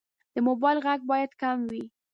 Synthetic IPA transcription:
d̪̥əmobɑjlɣaɡ̚bɑjad̪kamwi

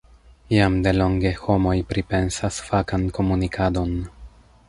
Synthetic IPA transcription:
iamde̞lo̞ŋɡe̞ho̞mo̞jpɾipe̞nsasfakanko̞munikʰado̞n

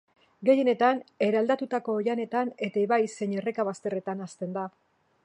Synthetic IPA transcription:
ɡe̞je̞ne̞t̪ane̞ɾeald̪at̪ut̪ako̞ːjane̞t̪anet̪aeβajse̞ɲe̞re̞kaβast̪e̞re̞t̪anast̪e̞nd̪a

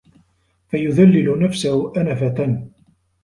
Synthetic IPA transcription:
fajʊðalːɪlʊnafsahʊʔanafat̪an

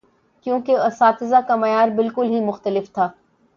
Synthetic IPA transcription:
kjõːkeɐsaːt̪ɪzakɐmɐjaːɾbɪlkʊlɦimʊxt̪əlɪft̪ʰaː

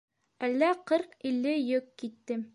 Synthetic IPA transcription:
ælːæqɤɾqilːɘjɵkkit̪ːɘm

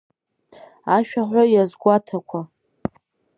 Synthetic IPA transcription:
aʃᶣaħʷajazɡʷatʰakʷʰa

